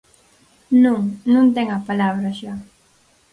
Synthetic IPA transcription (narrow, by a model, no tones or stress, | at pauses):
nũŋnũnt̪eŋapalaβɾaʃa